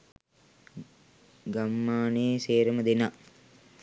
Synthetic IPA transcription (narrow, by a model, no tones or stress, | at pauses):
ɡamːaːneːseːɾəməd̪ena